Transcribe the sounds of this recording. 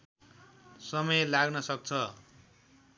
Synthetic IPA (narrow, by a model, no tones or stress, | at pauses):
sʌmʌjlaɡnʌsʌk̚t͡sʰʌ